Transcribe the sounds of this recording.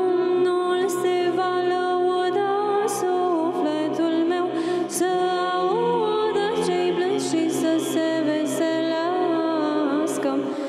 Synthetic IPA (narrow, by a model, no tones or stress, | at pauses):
nulsevalə | wɔd̪ə | su | flɛt̪ulmew | sə | au | d̪ət͡ʃejblənd̪ʃisəse | vesela | skəm